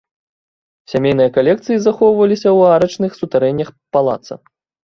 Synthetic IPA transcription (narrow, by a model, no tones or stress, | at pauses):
sʲamʲejnɨjɐkalʲɛkt̪sɨjizaxɔwvɐlʲisʲɐwaɾɐt͡ʂnɨxsut̪aɾɛnʲːɐxpalˠa̰t̪sɐ̰